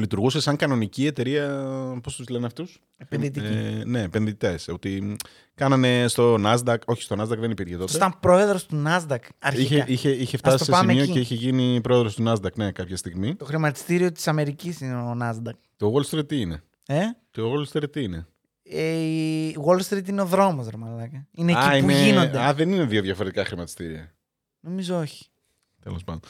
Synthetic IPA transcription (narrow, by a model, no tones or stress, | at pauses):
lit̪uɾɣusesɐŋkɐno̞nicie̞t̪e̞ɾiɐpo̞st̪uzleneɐft̪us | epenðit̪ine̞ːpenðit̪e̞so̞t̪i | kɐnɐne̞st̪o̞nɐzd̪ɐko̞çi̥st̪o̞nɐzd̪ɐkðe̞nipiɾçet̪oseɐmpɾo̞e̞ðɾost̪unɐzd̪ɐkɐɾiçeiçe̞içeftɐsiosesmeioeiçeʝinipɾo̞eðɾo̞st̪unɐzd̪ɐkne̞kɐpçɐst̪iɣmit̪o̞xɾimɐt̪i̥st̪iɾio̞t̪isɐme̞ɾicisineonɐzd̪ɐk | toɣolst̪ɾit̪ine̞ | eceoɣolst̪ɾit̪ine̞ | e | ɣolst̪ɾit̪ine̞o̞ðɾo̞mozɾomɐðɐkɐineɐiineʝinond̪eɐðenine̞ðio̞ðʝɐfo̞ɾe̞t̪ikɐxɾimɐt̪i̥st̪iɾiɐ̰ | no̞mizooçi̥ | t̪e̞̰lospɐnd̪on